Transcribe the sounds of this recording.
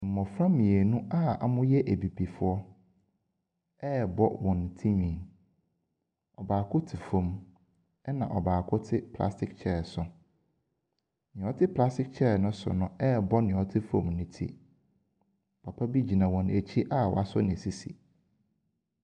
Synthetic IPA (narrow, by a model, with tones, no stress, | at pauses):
m̩˨mɔ̃˨fɾã˦mːĩ˨e˨nũ˦a˦a̰˨mʊ̃˦jɛ˦ʔæ˨bi˨bi˨fʊ˦ɔ˦ | ɛ˦bɔ̰˦wɔ̃˨n˨tʰi˦ɲᶣĩ˨n | ɔ˨baː˨kʰʊ˦tʰi˨fõ˦m | ɛ˦nã˨ʔɔ˨baː˨kʰʊ˦tʰɪ˦pʰla̰˦stʰɪ˦k̚t͡ɕʰɛ˦˨sʊ˨ | nɪ̃˨ɔ˦tʰɪ˦pʰla˦stɪ˦kt͡ɕʰɛ˦˨nʊ̃˦sʊ̰˨nʊ̃˦ɛ˦bɔ˦nɪ̃˨ɔ˦tʰɪ˦fõ˦˨mnɪ̃˦tʰḭ˦˨ | pʰa˨pʰa˦bi˦d͡ʑi˨nã˨wɔ̃˨næ˨t͡ɕʰi˦ʔa˦˨wɔ̰˨a˨sɔ̰˦nɪ̃˨si˦sḭ˨